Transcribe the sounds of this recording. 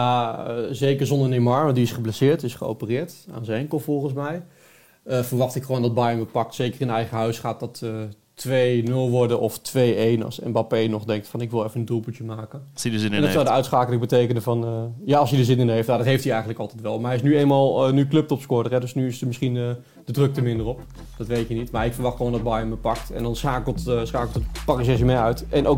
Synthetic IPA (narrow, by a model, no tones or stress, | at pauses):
jaəzejkəɹzɔndərənemɑɹmədiɪsχəblɛsɪːɹtɪsχəo̰wpərɪːɹta̰ːnzəɛŋkəlˠfɔlˠχənsmɛj | əfəɹʋɑχtɪkχəʋoːwndɑd̚bajəməpɑk̚tsejkərɪnɛjχəɦœɥsχaːt̚ɔtə | tʋejnɵlˠʋɔɹdəʔɔftʋejejnɑ̰lˠsɛ̰mbɑpejnɔχdɛŋk̚tfɑnɪkʋɪlˠɛfənəndulˠputjəmaːkənɛndɔsɔwdəœɥtspraːkələkbətejkənəvɑnjaɑlˠsjədəzɪnɪnəɦeftnjadɔtɦejftiɛjχəntləkɑlˠtɛtʋɛlˠmaɹɦɛɪsnyeːnmalˠnyklɵp̚tɔpskʊdərɛdɵsnyɪsəmɪsχin | dədrɵk̚təmɪndərɔp | d̥ɑtʋejtjənitmaɹɪkfərʋɑχtχəoːndɔd̚bajəməpɑk̚tɛ̰ndɔnsaːkəlˠtsχaːkl̩ˠtətpɑksɛsəmɪœɥtʔɛnow